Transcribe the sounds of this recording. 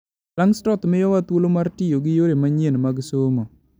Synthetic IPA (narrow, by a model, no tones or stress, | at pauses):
laŋstɔt̪mɪjɔwat̪wolomartɪjoɡɪjoɾemaɲenmaɡsomo